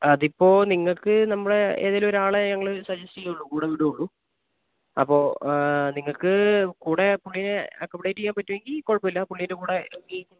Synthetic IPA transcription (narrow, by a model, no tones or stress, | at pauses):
ɐðipːo̞ːniŋːɐɭkɨnɐmːuɽeḛːðiloɾaːɭeɲɐŋːɐɭɨsɐd͡ʑɐsijuɭːukuːɽeʋiɽuuɭːu | ɐ̰pːo̞ːniŋːɐɭkɨkuːɽe̞puɭːineɐkːɐʋiɽeɾikːaːmpɐtːuʋeŋɡilːkoɻpɐmilːɐpuɭːindekuːɽe̞ɡi